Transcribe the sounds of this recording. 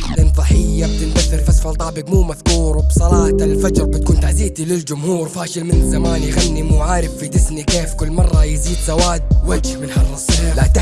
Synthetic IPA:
lɪnfˤɑħɪjːab̚t̪ɪmbaθːɪlfasfɑlt̪ˤɑʕbɪɡmuːmaθkuːɾˤwbsˤɑlɑːt̪alfad͡ʒɾˤbɪt̪̚kuːnt̪aziːt̪ilɪld͡ʒʊmhuːɾfaːʃɪlmɪnɪzamaːnjɣanːimʊʕaːɾɪbfid̪ɪsnikeːfkʊlːmɑrˤːɑjziːd̪zawaːd̪̚wad͡ʒhbɪnħɑrˤːɨsˤhaːlat̪a

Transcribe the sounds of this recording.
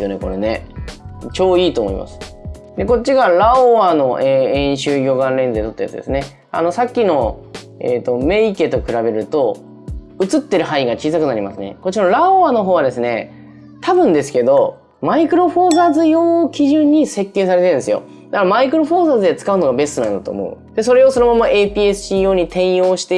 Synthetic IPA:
jo̰ne̞̰ko̞ɾe̞ne̞̰ | t͡ɕo̞ːiːt̪oːmo̰ḭma̰sɨ̥ | d̪e̞ko̞t͡ɕːiɡaɾaoano̞ʔeẽ̞ɰ̃ɕɨːɡʲo̞ːɡãnɾe̞nd͡zɨd̪et̪o̞t̪ːoja̰t͡sɨd̪esɨne | a̰no̞sakʲːino̞ | ḛːt̪o̞me̞ike̞t̪o̞kɯ̟ɾabe̞ɾɯ̟t̪o̞ | ɯ̟t͡sɨt̪ːe̞ɾɯ̟ɦaiɡat͡ɕiːsakɯ̟naɾʲima̰sɨne̞̰ko̞t͡ɕiɾaɾaoβano̞ɦoːβad̪esɨne̞̰ | t̪abɯ̟̃nd̪e̞sɨ̥ke̞d̪o̞ | maikɯ̟ɾo̞ɸo̞ːzazɨjoːkʲiʑɨ̃ɲ̟ːise̞kːe̞ːsaɾe̞t̪eɯ̃ne̞sɨjo̞̰ | d̪akaɾamaikɯ̟ɾo̞ɸoːzaːzɨd̪e̞t͡sɨ̥kaɯno̞ɡabe̞st̪onãnd̪at̪o̞̰ːmo̞̰ɯ̟̰d̪̥e̞so̞ɾe̞o̞so̞no̞mamoʔeːpʲiːe̞sɨ̥ɕiːo̞ːɲ̟it̪ẽ̞ɰ̃jo̞ːɕi̥t̪e

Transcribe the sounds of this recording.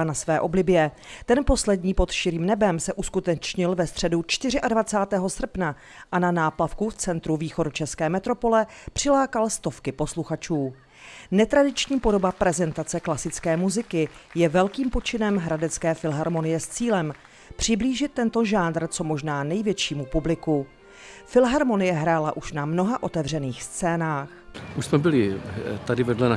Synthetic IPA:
nasvɛːʔo̞blɪbjɛ | t̪ɛnpo̞slɛdɲiːpo̞t̪ʃɪɾiːmnɛbɛmsɛʔuskut̪ɛt͡ʃɲɪlvɛst̪r̝̥ɛdut͡ʃt̪ɪr̝ɪʔadvat͡saːt̪ɛːɦo̞sr̩pna | ʔananaːplafkuft͡sɛnt̪ɾuviːxo̞dut͡ʃɛskɛːmɛt̪ɾo̞po̞lɛpr̝̥ɪlaːkalst̪o̞fkɪpo̞sluxat͡ʃuː | nɛt̪ɾadɪt͡ʃɲiːpo̞do̞bapɾɛzɛnt̪at͡sɛklasɪt͡skɛːmuzɪkɪjɛvɛlkiːmpo̞t͡ʃɪnɛmɦɾadɛt͡skɛːfɪlɦaɾmo̞nɪjɛst͡siːlɛm | pr̝̥ɪbliːʒɪt̪ːɛnt̪o̞ʒaːnd̪r̩t͡so̞mo̞ʒnaːnɛjvjɛt͡ʃiːmupublɪku | fɪlɦaɾmo̞nɪjɛɦɾaːlaʔuʃnamno̞ɦaʔo̞t̪ɛvr̝ɛniːxst͡sɛːnaːxʔuʃsmɛbɪlɪt̪adɪvɛdlɛna

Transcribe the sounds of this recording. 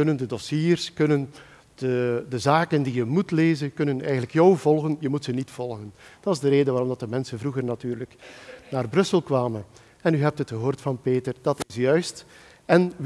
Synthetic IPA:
ɵnəndədɔsiːrskɵnən | d̥ədəzaːkəndijəmutleːzənkɵnənɛ̰jɣənləkjɔwvɔlˠɣənjəmutsənitfɔlˠɣənd̥ɑtɑzdəɾeːdəʋaɾɔmdɑt̚dəmɛnsənvruɣərnatyːrləknaːrbrɵsəlˠkʋaːmən | ɛnyɦɛp̚tɦətxəɦoːrtfɑnpeːtərdɑtɪsjœɥst | ɛn

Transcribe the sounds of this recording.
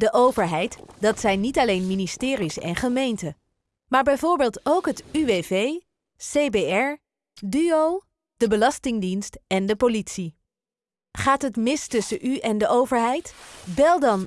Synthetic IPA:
dəʔowvəɹɦɛjtdɑtsɛjnitɑlejnministɪːɾisɛ̰nχəmejntə | maːɹbɛjvʊːɹbeːlˠtowkɦətyʋevej | sejbeɛɹ | dyow | d̥əbəlɑstɪŋdinstɛndəpolitsi | χaːtɦətmɪstɵsəʔyʔɛndəʔowvəɹɦɛjtbɛlˠdɑn

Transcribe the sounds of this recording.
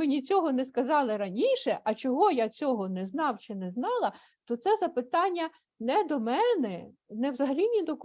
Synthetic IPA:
ɪnʲit͡sʲɔɦɔnɛskɐzɑlˠɪɾɐnʲiʃɛʔɐt͡ʃɔɦɔjat͡sʲɔɦɔnɛznɑwt͡ʃɪnɛznɑlˠɐ | t̪ɔt̪sɛzɐpɪt̪ɑnʲːɐ | nɛd̪ɔmɛnɛnɛwzɐɦɐlʲinʲid̪ɔk

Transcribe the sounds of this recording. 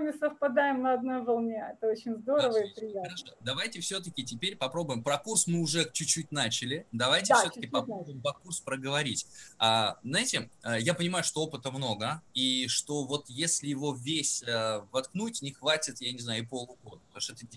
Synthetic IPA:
mʲɪsəfpɐd̪ajɪmnɐɐd̪̚nojvɐlˠnʲeɛt̪əot͡ɕɪnʲzd̪o̞ɾəvəjɪpɾʲɪjaɐʂod̪ɐvajtʲɪfsʲɵt̪əkʲɪtʲɪpʲeɾʲpɐpɾo̞bʊjɪmpɾɐkursmɨʊʐɛt͡ɕʊt͡ɕːutʲnat͡ɕɪlʲɪd̪ɐvajtʲɪfsoəkʲɪpɐpɾobʊjɪmpɐkurspɾəɡəvɐɾʲitʲaznajɪtʲɪəjapənʲɪmajʊʂt̪o̞o̞pɨt̪əmno̞ɡəiʂt̪o̞vo̞t̪jesʲlʲɪjɪvo̞vʲesʲəvɐt̪knutʲnʲɪxvatʲɪt̪janʲɪznajʊɪpo̞lˠʊɡo̞d̪əp̚t̪ɐmuʂt̪oɛt̪ə

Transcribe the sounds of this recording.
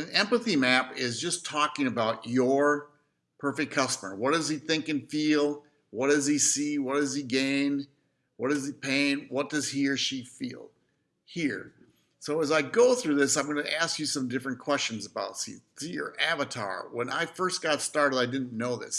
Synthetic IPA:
ɨ̃nɛ̃mpəθimæpɪzd͡ʒʌstʰɔkɪ̃ŋɨbaʊt͡ʃə˞ | pʰɜ˞fɨk̚kʰʌstəmə̰˞wʌt̚d̥ʌz̥iθɪ̃ŋkɨ̃nfilˠ | wʌt̚d̥ʌz̥isiwʌt̚d̥ʌziɡẽɪ̃n | wʌt̚d̥ʌzipʰẽɪ̃nwʌt̚d̥ʌz̥hiɹʃifḭlˠ | hiɹ | soʊəzaɪɡoʊθɹʉðɪsãɪ̃mɡʌnɨ̰ʔæskjɨsʌ̃mdɪfɹɨ̃nkʰw̥ɛst͡ʃɨ̃n̩zəbaʊtsḭsiə̰˞ʔævɨtʰɑ̰ɹwə̰̃na̰ɪfɜ˞sɡ̥ɑtstɑɹɾɨdaɪdɪdⁿn̩ːoʊðɪ̰s

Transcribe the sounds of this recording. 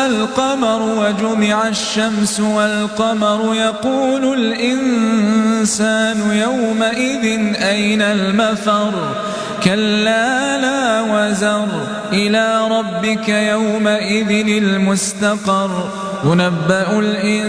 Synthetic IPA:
alqɑmɑɾˤwad͡ʒʊmɪʕaʃːamsʊwalqɑmɑɾˤʊjɑquːlʊlʔɪn | saːnʊjawmaʔɪðɪnʔajnalmafɑɾˤ | kalːaːnaːwazɑɾˤ | ʔɪlaːɾˤɑbːɪkajawmaʔɪðɪnɪlmʊst̪ɑqɑɾˤ | jʊnabːaʔʊlʔɪ

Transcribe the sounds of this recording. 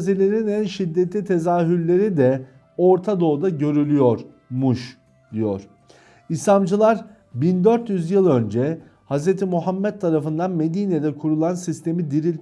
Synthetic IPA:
zilʲe̞ɾinænʃid̪ːet̪lʲit̪ʰe̞zaːɦyɾlʲe̞ɾid̪ɛ | o̞ɾt̪ʰad̪o̞ːd̪aɟø̞ɾylʲyjoɾ | muʃ | d̪ijo̰ɾ̥ | isamd͡ʒɯlˠaɾ | bind̪ø̞ɾt̪jyzjɯlˠø̞nd͡ʒɛ | hazɾet̪ʰimuɦamːɛt̪ʰːaɾafɯnd̪anme̞d̪iːned̪ɛkʰuɾulˠansist̪ʰe̞mid̪iɾilʲ

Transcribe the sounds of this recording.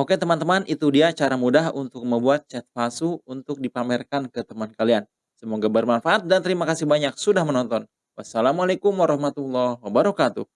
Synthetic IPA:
oket̪əmant̪əmanʔit̪udiat͡ʃaɾamudaɦunt̪ʊk̚məmbuat̪̚t͡ʃɛt̪̚fasuunt̪ʊk̚dipamɛrkankət̪əmankalian | səmoŋɡabərmanfaʔat̪̚dant̪əɾimakasihbaɲak̚sudahmənɔnt̪ɔn | wasːalamualekʊmwaɾɔhmat̪ulːɔhwabəɾɔkat̪ṵ

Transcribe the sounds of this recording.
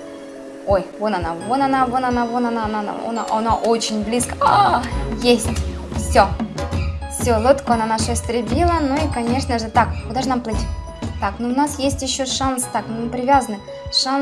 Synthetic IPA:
ojvonɐnavonɐnavonɐnavonɐnanaa̰ɔ̰na̰ʔɐnaʔot͡ɕɪnʲblʲiskə̥ajesʲtʲ | fsʲo | fsʲolˠot̪koɐnanaʂəsʲt̪ɾʲɪbʲilˠənoikɐnʲe̞ʂnəʐɨt̪akkʊd̪aʐɨnamplˠɨtʲ | t̪aknoʊnasjesʲtʲjɪɕːoʂanst̪akmɨmpɾʲɪvʲazənɨ | ʂan

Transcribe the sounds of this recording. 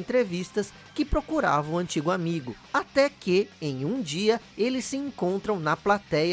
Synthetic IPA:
nt̪ɾevist̪ɐs | kɪpɾokuɾa̰vɐ̃ũɐ̃nt͡ʃiɡʊamiɡʊ | at̪ɛkɪẽj̃ũd͡ʒiɐ | elɪsːɪẽŋkõnt̪ɾɐ̃w̃nɐplat̪ɛj

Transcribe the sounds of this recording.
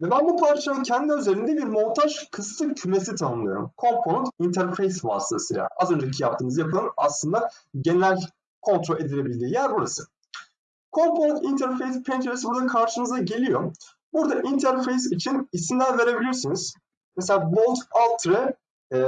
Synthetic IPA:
vɛbænbupʰaɾt͡ʃʰamɯncʰɛnd̪iøze̞ɾind̪ɛbiɾmut̪ʰaʒkʰɯst̪ʰˠɯcʰyme̞sit̪ʰanɯmlˠɯjo̰ɾṵmkʰo̞mpʰonut̪int̪ʰæɾfejsva̰ːsɯlasɯ̰jlʲa̰azø̞nd͡ʒecʰijapt̪ʰɯːnɯzjapʰɯlˠɯnaslˠɯnd̪a | ɟe̞neɾælʲ | kʰo̞nt̪ʰɾolʲe̞d̪ilʲe̞bilʲd̪iːjæːnibuɾasɯ̥ | kʰo̞mpʰonut̪int̪ʰæɾfejspʰent͡ʃʰeɾsbuɾd̪akʰaɾʃɯnɯzaɟe̞lʲijo̞ | buɾd̪aʔint̪ʰæɾfejs̬it͡ʃʰinisindʲænve̞ɾe̞bilʲijoɾsunuz̥ | mese̞lʲaːbolˠt̪alˠt̪ʰɾɯ

